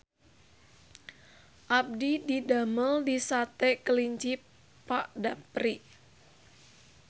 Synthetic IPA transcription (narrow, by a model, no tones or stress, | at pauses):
ʔab̚dididaməldisat̪ɛkəliɲt͡ʃi | pːaʔdapɾi